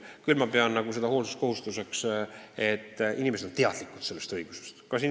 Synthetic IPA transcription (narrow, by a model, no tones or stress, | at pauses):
kylmɑpeɑnːɑɡuse̞d̪̥ɑhoːlsu̥st̪ko̞hust̪use̞kse̞t̪ːinimesed̪o̞nt̪eɑd̪̥likːˑu̥t̪se̞lːest̪ɤjɡ̥use̥st̪kɑsi